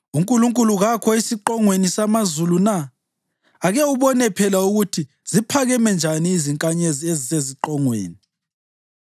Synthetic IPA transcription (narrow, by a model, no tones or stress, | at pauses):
uŋkʼuluŋkʼuluɣakʰɔisiǃɔŋwenisamazulunaː | ɣɛuβɔnɛpʰɛlauɣutʰi | z̥ipʰaɣɛmɛnd͡ʒʱaniːziŋkʼaɲezieziseziǃɔŋwḛːni